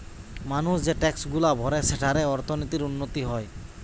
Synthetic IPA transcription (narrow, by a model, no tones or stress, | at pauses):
manusd͡ʑeʈɛksɡulabʱɔɾeseʈʰaɾeɔɾt̪ʰonit̪iɾunːot̪iɦɔe